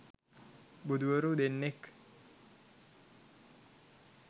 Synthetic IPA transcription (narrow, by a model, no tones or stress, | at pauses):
bud̪ʱuʋəɾud̪enːek